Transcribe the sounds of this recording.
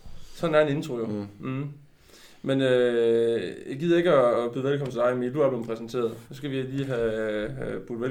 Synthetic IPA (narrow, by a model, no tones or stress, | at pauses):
sɒ̽næɐene̝nt͡sʰʁo̝jo | menø | jɑ̈ɪɡ̥iːð̞̰ˠɐe̝ɡ̥əɒb̥yðˠʋælkʰɒ̽m̰ət͡sʰe̝d̥ɑ̈ɪmiluæɐb̥lempʰʁɛsn̩t͡sʰe̝̰ːɐð̩ˠsɔsɡ̥æʋiliːɦæ | b̥ud̥ˠʋæ